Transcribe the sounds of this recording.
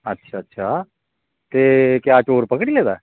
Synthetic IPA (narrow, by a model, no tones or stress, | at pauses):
ətːʃʰaːətːʃʰaː | t̪ekjaːt͡ʃoːɾpəkɽileːd̪aɛ